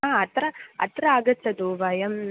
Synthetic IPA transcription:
aɐt̪ɾɐɐ̰t̪ɾɐaːɡɐt͡ʃːɐd̪uːʋɐjɐm

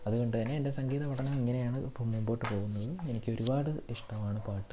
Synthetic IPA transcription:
ɐðuɣo̞ɳɖɨt̪ɐnːe̞endesɐŋɡiːðɐpɐʈʰːɐnɐmiŋːɐne̞jaːɳɨipːomːumbo̞ːʈːɨpo̞ːɣunːɐðɨenikʲːɨo̞ɾubaːɽɨiʂʈɐmaːɳɨpaːʈːɨ

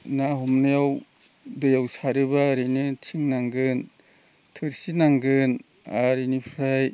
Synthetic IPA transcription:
naɦɔmnajaw | dɯjawsaɾebaɾinɯtʰiŋnaŋɡɯn | tʰɯɾsinaŋɡɯn | aɾinipʰɾaj

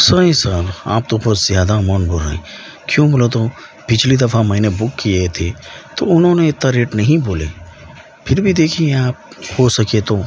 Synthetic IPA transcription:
səɦĩsəɾa̰ːp̚t̪õbəzjaːd̪amənboɾa̰ːĩ | kjõːbolot̪o | pɪt͡ʃlid̪ɐfʰamɐɦinebʊkːiet̪ʰet̪oʊnɦõːneet̪ːaɾeːʈnɐɦĩboːlḛ | pʰɪɾbʱid̪eːkʰiẽaːp̚ | hosɐkiet̪o

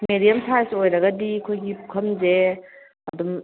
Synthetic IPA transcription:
medijɐmsʰajsojɾɐɡɐdikʰojɡiukʰɐmze | ɐdum

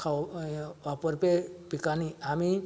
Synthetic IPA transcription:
kʰawʋapɔɾpepikaniami

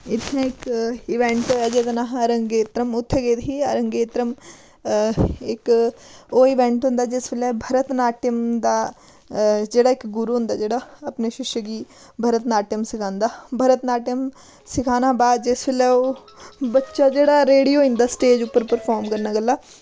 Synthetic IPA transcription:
ɪt̪ʰnẽɪkɪʋẽɳʈoɛd͡ʒeːt̪naːɦɐɾə̃ŋɡeːt̪ɾəmʊt̪ʰːeɡeːt̪ɦiəɾə̃ŋɡeːt̪ɾəm | ɪk | oɪʋẽːɳʈɦʊ̃nd̪ad͡ʒɪsʋelɛbʱɐɾət̪naːʈjəmd̪a | d͡ʒeːɽaekɡʊɾuɦʊ̃nd̪aːd͡ʒeːɽaɐpneʃɪʃjəɡiː | bʱɐɾət̪naːʈjəmsɪkʰãːnd̪aːbʱɐɾət̪naːʈjəm | sɪkʰaːnabaːd̪̚d͡ʒɪsʋelɛo | bɐtːʃad͡ʒeːɽaɾeːɽijoːɪ̃nd̪asʈeːd͡ʒʊpːəɾpəɾfʰaːɾmkɐɾnaɡɐlːaː

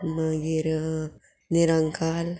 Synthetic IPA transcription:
məɡiɾ | niɾəŋkaːl

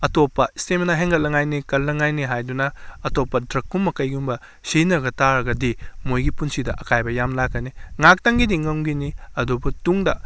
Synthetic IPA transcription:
ɐtopːɐistemɐnaɦeŋɡɐt̚lɐŋajnikɐlːɐŋajniɦajdunɐːtopːɐdɾɐkːumːɐkɐjɡumbɐ | sinɐɡɐtaɾɐɡɐdimojɡipunsidɐ̰ʔɐkajbɐjamlakːɐniŋak̚taŋɡidiŋɐŋɡiniɐdobutuŋdɐ̰

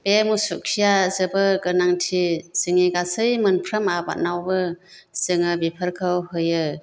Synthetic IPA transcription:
b̥emusukʰijazɯbɯɡɯnaŋtʰisɯŋiɡasɯjmɯnpʰɾəmaba̰nawbɯ | sɯŋɯbipʰəɾkʰɯwhɯjɯ

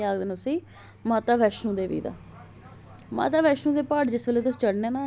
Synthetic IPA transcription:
aːɡd̪eːnosiː | maːt̪aːʋɛːʃnũːd̪eːʋḭːd̪a̰ː | ma̰ːt̪aːʋɛːʃnũːd̪eːpaːʈd͡ʒɪsʋeːleːt̪ʊsːt͡ʃəɽneːnaː

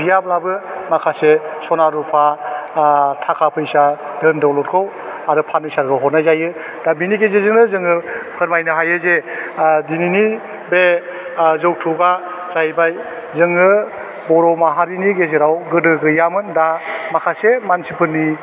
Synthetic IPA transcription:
bijablabɯmakʰasesɔnaɾupʰa | tʰakʰapʰɯjsa | dɯndɔwlɔt̚kʰɔw | aɾɯpʰanɯsaɾɡɯwɦɔtnazajɯ | d̥abiniɡezezɯŋnɯzɯŋɯpʰɯɾmajnɯɦajɯzedinini | be | zɯw̚tʰuɡa | zajbaj | zɯŋɯ | bɔɾɔmaɦaɾiniɡezeɾawɡɯdɯɡɯjamɯndamakʰasemansipʰɯɾni

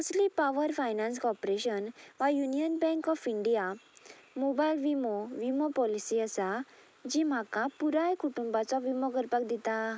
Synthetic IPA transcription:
ɔslipaʋəɾfajnãnskɔpɾeɕənʋajunijənbɛ̃ŋkɔfiɳɖija | mobajlʋimɔʋimɔpɔlisiəsa | d͡ʑim̤akãpuɾajkuʈũmbat͡sɔʋimɔɡəɾpak̚d̪it̪ã

